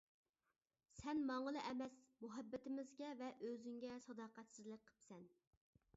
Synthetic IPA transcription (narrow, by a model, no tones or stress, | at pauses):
sɛnmɑŋəlˠɨʔɛmɛsmuɦɛbːɪt̪ɪmɪzɡʲɛvɛʔøzyŋɡʲɛsɑd̪ɑːqæt̪sɪzlˠək̚ʲqʰːə̥psɛn